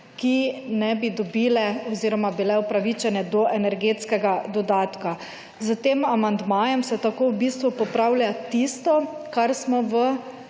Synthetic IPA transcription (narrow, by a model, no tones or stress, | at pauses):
kinɛbid̪ɔbiːlɛɔziːɾɔmabilɛɔpɾaʋit͡ʃɛnɛd̪ɔʔɛnɛɾɡeːt̪skɛɡad̪ɔd̪aːt̪ka | zət̪eːmamand̪maːjɛmsɛt̪akoːwbist̪ʋupɔpɾawljat̪ist̪ɔkaɾsmɔʋə